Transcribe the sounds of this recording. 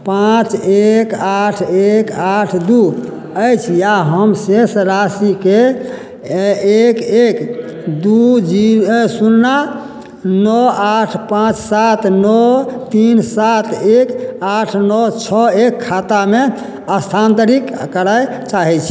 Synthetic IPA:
pãt͡ʃekaʈʰekaʈʰd̪u | əjt͡ʃʰjaɦəmsesɾasike | ekek | d̪ud͡ʒisunːa | nɔaʈʰpãt͡ʃsat̪nɔt̪insat̪ʰekaʈʰnɔt͡ʃʰɔekʰːat̪ame | əst̪ʰant̪əɾikkəɾajt͡ʃaɦɛt͡ʃʰi

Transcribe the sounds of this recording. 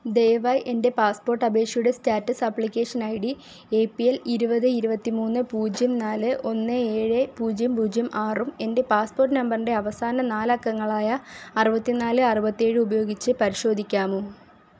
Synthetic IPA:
d̪ejʋaːjʔe̞nde̞paːspo̞ːrʈːɐbe̞ːkʂɐjuɽe̞staːtːɐsɐpːɭikʲːe̞ːʂɐnɐjɽi | e̞ːpːijeliɾubɐðɨiɾubɐt̪ːimuːnːɨpuːd͡ʑjɐmnaːlɨʔo̞nːɨe̞ːɻɨpuːd͡ʑjɐmpuːd͡ʑjɐmʔaːrume̞nde̞paːspo̞ːrʈːɨnɐmbɐrnde̞ɐʋɐsaːnɐnaːlɐkːɐŋːɐɭaːjɐːrubɐt̪ːinaːlɨɐrubɐt̪ːie̞ːɻɨubɐjo̞ːɡit͡ɕːɨpɐɾiɕo̞ːd̪ʱikʲːaːmu

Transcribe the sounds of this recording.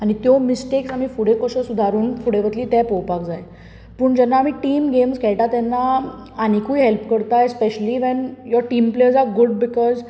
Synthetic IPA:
añit̪jɔmisʈeksamiːfuɽekəɕəsud̪ʱaɾuːnfuɽeʋət̪liːt̪ɛpɔwpakd͡zaje | pəːɳd͡ʑɛnːaːm̤iːʈiːmɡemskʰɛɭʈat̪ɛnːa | añikuiɦɛlpkəɾt̪aespeɕəliːʋɛnjɔɾʈiːmpleɾzaɡuɖbikɔz

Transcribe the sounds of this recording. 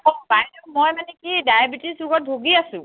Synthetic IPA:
ɔpajlɛmɔjmanɛkidajabitisuɡɔt̚bʱoɡiasʊ̃

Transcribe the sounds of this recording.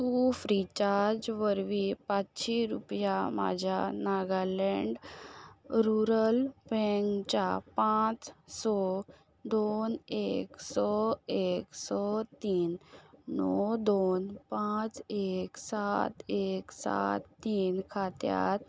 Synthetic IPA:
t̪ufɾit͡ɕaɾd͡ʑʋəɾʋipat͡sɕiɾupjama̰d͡ʑʱjanaɡalɛɳɖ | ɾuɾəlbɛŋkt͡ɕapãt͡ssɔ | d̪oneksɔeksɔt̪iːnː | ɔd̪onpãt͡seksat̪eksa̰t̪ːiːnkʰat̪ja̰t̪

